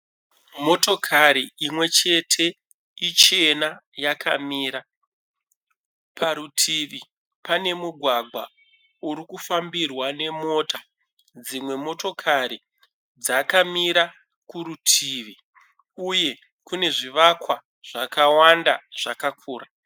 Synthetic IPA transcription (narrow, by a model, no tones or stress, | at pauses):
mo̞to̞kʰaɾiimwe̞t͡ʃe̞tʰe̞ | it͡ʃe̞najakʰamiːɾa | paɾutʰiʋi | pane̞muɡʱwaɡʱwa | uɾikufambirwane̞mo̞ːtʰa | d͡zimwe̞mo̞to̞kʰaɾi | d͡zakamiɾa | kuɾutʰiʋi | uje̞ | kune̞ʐiʋakwa | ʐ̥akawandaʐ̥akakʰuːra